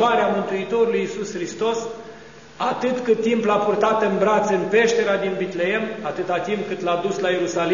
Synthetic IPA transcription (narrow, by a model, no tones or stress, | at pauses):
aɾeamɨnt̪uit̪o̞ɾulujisusxɾist̪o̞s | at̪ɨt̪kɨt̪ːimplapurt̪at̪ɨnbɾat̪sɨnpe̞ʃt̪e̞ɾead̪inbit̪lee̞mat̪ɨt̪at̪imp̚kɨt̪lad̪uslaje̞ɾusal